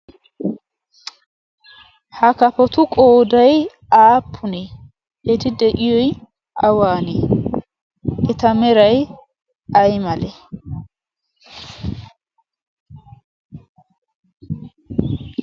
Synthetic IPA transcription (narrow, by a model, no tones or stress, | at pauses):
hɐkɐpɔt̪ʊkʼoːd̪ɐj | aːpʰːʊnɛ | ɛt̪ɪd̪ɛʔɪjɔj | ʔɐwaːne | ʔɛt̪ɐmɛɾɐj | ɐjmɐlɛ